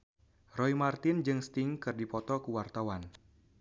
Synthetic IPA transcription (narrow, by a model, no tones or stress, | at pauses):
rɔimart̪ɪnd͡ʒɨŋst̪ɪŋkɨrdipɔt̪ɔkuwart̪awan